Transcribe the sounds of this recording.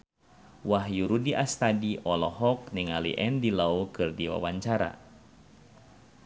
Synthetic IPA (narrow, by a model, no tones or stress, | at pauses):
waɦjuɾudiʔast̪adiʔɔlɔɦɔk̚niŋalḭʔɛndilaukɨrdiwa̰waɲt͡ʃaɾa̰